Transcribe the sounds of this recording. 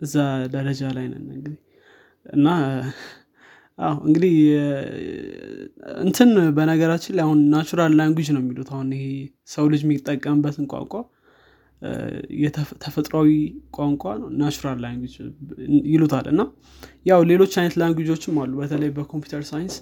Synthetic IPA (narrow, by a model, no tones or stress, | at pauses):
ʔɨzːad̪əɾəd͡ʒalajnə̰nɨŋɡɨd̪ih | ɨ̰nːa | ʔa̰wɨ̰ŋɡɨd̪ih | ɨ̰nt̪ʰɨnbənəɡəɾat͡ʃːɪlahunːat͡ʃuɾalːajnɡud͡ʒnəwmːilut̪ʰahunɪhe̞ | səwlɨd͡ʒmit̪ʼːəkʼːəmɨbːət̪ɨŋkʼa̰ŋkʷʼa | jɛt̪ʰəfət̪ʼɾawikʷʼaŋkʷʼanəwnat͡ʃuɾalːajnɡud͡ʒ | jɪlut̪ʰalʔɨ̰nːa | jawle̞lo̞t͡ʃːajnət̪lajnɡʷud͡ʒo̞t͡ʃːɪmːalːubət̪ʰələjbəkʰo̞mpju̥t̪ʰəɾsajɪns